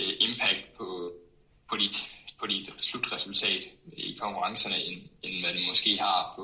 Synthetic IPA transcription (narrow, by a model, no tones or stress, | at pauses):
ʔe̝mpʰæɡ̥̚d̥̚pʰɒ̽ | pʰɒ̽d̥id̥pʰɒ̽did̥slud̥ʁɛsult͡sʰɛ̰ːd̥ikʰɒ̽ŋkʰuʁɑ̈ŋsɐnəenenmænmɒ̽sɡ̥e̝̰ːhɑ̈pʰɒ̽